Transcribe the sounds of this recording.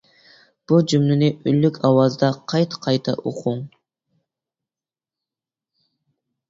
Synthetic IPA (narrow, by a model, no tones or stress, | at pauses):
b̥ud͡ʒymlynɪʔylːykʲʰɑwɑzd̪ɑqʰɑjt̪qʰɑjt̪ʰɑ̰ʔoqʰuŋ